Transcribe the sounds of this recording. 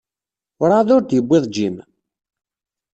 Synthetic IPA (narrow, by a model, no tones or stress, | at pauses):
ʊɾˤaðʊɾd̪jəbʷːɪðˤd͡ʒim